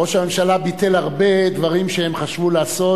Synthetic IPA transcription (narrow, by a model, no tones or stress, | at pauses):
oʃame̞mʃalabit̪elaʁbe̞d̪vaʁimʃehemχaʃvulaːso̞